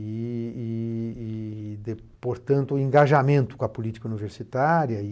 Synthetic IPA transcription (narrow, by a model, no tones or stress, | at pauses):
ɪ | d̪e | poɾt̪ɐ̃nt̪ʊẽŋɡaʒamẽnt̪ʊ̥kõɐpolit͡ʃi̥kɐuniveɾsit̪aɾjɐ